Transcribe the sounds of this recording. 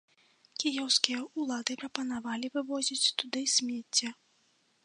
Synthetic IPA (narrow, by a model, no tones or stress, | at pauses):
kʲijɛwskʲijɐʔulˠad̪ɨpɾɐpɐnavalʲivɨvɔzʲit͡sʲt̪ud̪ɨsʲmʲɛt͡sʲːɐ